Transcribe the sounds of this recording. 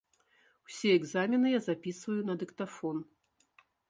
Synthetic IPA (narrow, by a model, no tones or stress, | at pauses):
wsʲiɛɡzamʲinɨjazapʲisvɐjun̪ɐd̪ɨkt̪afɔn